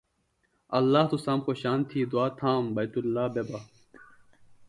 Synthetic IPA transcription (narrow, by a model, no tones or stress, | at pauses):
ɐlːaːht̪usaːmxoɕaːnt̪ʰiːd̪uaːt̪ʰaːmbɐjt̪ulːaːbebɐ